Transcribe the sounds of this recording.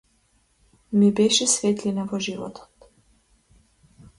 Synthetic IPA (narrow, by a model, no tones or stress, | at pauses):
mibɛʃɛsvɛt̪linavɔʒivɔ̰t̪ʰɔ̥t̪